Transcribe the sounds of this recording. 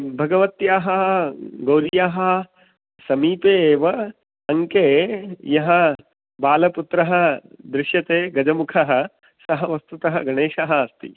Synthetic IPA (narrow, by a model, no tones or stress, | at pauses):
bʱɐɡɐʋɐt̪jaːɦɐɐɡɐwɾijaːɦɐ̆ | sɐmiːpeːʋɐ | ɐŋkeːjɐɦɐ | baːlɐput̪ɾɐɦɐ̆d̪ɾɪʃjɐt̪eːɡɐd͡ʒɐmukʰɐɦɐ̆ | sɐɦɐʋɐst̪ut̪ɐɦɐɡɐɳeːʃɐɦɐɐst̪ḭ